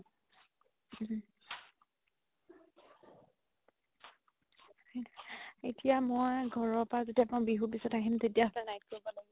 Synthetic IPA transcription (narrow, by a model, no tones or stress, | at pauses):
etijamɔjɡʱɔɹɔpazetiapɔbiɦupisɔtaɦimzetiaɦɔtanajt̚koɹibɔlaɡi